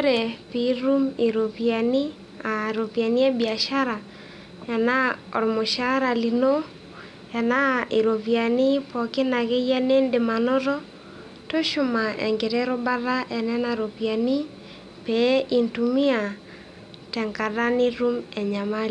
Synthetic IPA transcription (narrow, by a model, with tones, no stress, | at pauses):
ɾɛ˨pi˨˦ɾu˦me˨ɾo˨pja˨ni˦ | a˨ɾo˨pja˨ni˦ɛ˦bia˨ʃa˦ɾa˨ | ja˨na˦ɔ̰˨ɾmo˨ʃa˦ɾa˨li˨no˦ | ja˨na˦e˨ɾo˨βja˨ni˦pɔ˨ke˦na˨ɣɛ˦jɛ˦ne˦nde˨ma˨nɔ˦ɾɔ˦ | to˦ʃo˨ma˨ʔɛ̰˨ŋɡɛ˨ɾɛ˦ɾo˦ba˦ɾa˦ɛ˨nɛ˦na˨ɾo˨pja˨ni˦ | pɛ˨˦ʔi˨ntu˨mi˦a˨ | tɛ˨ŋɡa˨ɾa˦ni˦ɾu˦mɛ˨ɲa˨ma˦l